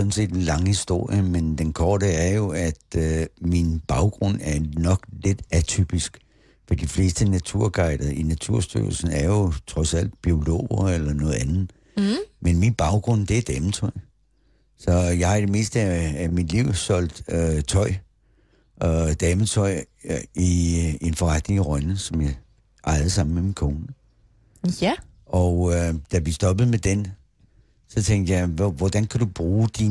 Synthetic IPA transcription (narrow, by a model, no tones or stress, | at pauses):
ɔ̽n̩se̝̰ːd̥enlɑ̈ŋhisd̥o̝ɐ̰jəmend̥enkʰɒːɾ̥əæɐjo̝æd̥minb̥ɑ̈ʊɡ̥ʁɔ̽n̰æɐnɒ̽ɡ̥led̥æt͡sʰy̰b̥isɡ̥ | fɒd̥ifle̝̰ːsd̥ənæt͡sʰuɐ̰ɡ̥ɑ̈ɪ̰d̥ɐʔinæt͡sʰuɐ̰sd̥y̰ɐl̩sn̩æɐjo̝t͡sʰʁɒ̽sæl̰d̥̚b̥io̝lo̝̰ːɐelɐnɔ̽ːð̩ˠænð̩ˠ | menminb̥ɑ̈ʊɡ̥ʁɔ̽n̰d̥e̝d̥ɛːmət͡sʰɒɪ̰ | sɒ̽jɑ̈ɪhɑid̥e̝me̝̰ːsd̥əææmid̥liʊ̰sɒ̽l̰d̥øt͡sʰɒ̽ɪ̰ | ɒd̥ɛːmət͡sʰɒ̽ɪ̰ | ie̝nfɒʁad̥ne̝ŋʁɶnəsɒ̽mjɑ | ʔɑ̈ɪð̩ˠsɑ̈m̰n̩meminkʰo̝ːnə | ʔɒʊød̥æʋisd̥ɒ̽b̥əð̞̩ˠmed̥en | sɒ̽t͡sʰeŋ̰d̥jɑɪʋɒd̥ænkʰæd̥ub̥ʁuːd̥i